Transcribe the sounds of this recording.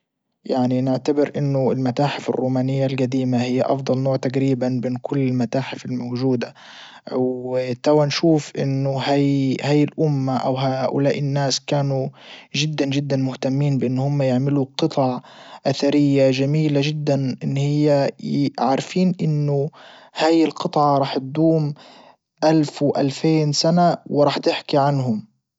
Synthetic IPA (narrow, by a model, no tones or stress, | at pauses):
jaʕninɪʕt̪abɪɾʔɪnːʊɪlmat̪aːħɪfɪ̰rːuːmaːnɪjːalɡad̪iːmahɪjːaʔɑ̰fd̪ˤɑlnoːʕt̪aqɾiːbanbɪːnkʰʊlːɪlmat̪aːħɪfɪlmowʒuːd̪a | wt̪awanʃuːfʔɪ̰nːʊhajhaːjɪlʔʊmːaʔa̰wɦaːʔʊ̰laːʔɪnːaːskaːnuʒɪd̪ːanʒɪd̪ːanmʊht̪amːiːnbɪʔɪnːhʊmːajɪʕmɪluqɨt̪ˤʕɑʔaθaɾɪjːaʒamiːlaʒɪd̪ːanʔɪnːhɪjːaʕɾˤfiːnʔɪnːʊhaːjɪlqɨt̪ˤʕɑɾˤɑːħt̪̚d̪uːm | ʔalfwʔa̰lfeːnsanawɪɾˤɑːħt̪ɪħkiʕanɦʊm